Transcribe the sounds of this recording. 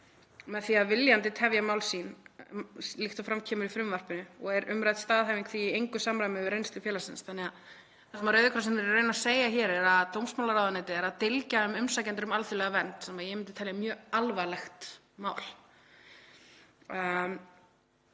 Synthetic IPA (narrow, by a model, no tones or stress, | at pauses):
mɛðθiaðvɪljant̪ɪt̪ʰɛvjamaːwlsiːn | lixt̪ɔfɾamcʰɛːmʏɾifɾʏmvar̥pɪnʏɔɣɛɾʏ̰mɾajt̪st̪aːðɦajviŋkθviːejŋkʏsamɾajmɪʏɾejnst̪ʏfjɛːlasɪnsθanɛɣa | θɛsmaɾœːɥðɪkʰɾsɛmnɛɾrœɥnaseːjaçɛːɾɛɾaðt̪owmsmawlaɾawðanɛːt̪ɪɛɾaðt̪ɪlcaʏmʏmsacɛnt̪ɪɾʏmalθʏlɛɣavɛnt̪sɛmaðjɛmɪnt̪ɪt̪ʰɛljamjœːalvalɛxt̪ | maːwl